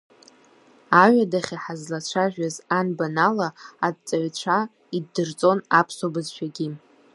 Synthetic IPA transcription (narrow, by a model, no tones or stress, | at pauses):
aɥʷᶣadaχʲaħazlat͡ɕʷʰaʒᶣazanbanalaːd̚t͡sʼaɥt͡ɕʷʰa | iddɨrt͡sʼo̞napʰsobɨzʃʷᶣaɡʲi